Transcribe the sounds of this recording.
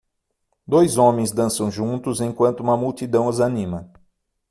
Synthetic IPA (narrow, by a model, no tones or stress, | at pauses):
d̪ojzõmẽj̃zd̪ɐ̃sɐ̃w̃ʒũnt̪ʊzẽj̃kwɐ̃nt̪ʊũmɐmuwt̪id̪ɐ̃w̃ɐzanĩmɐ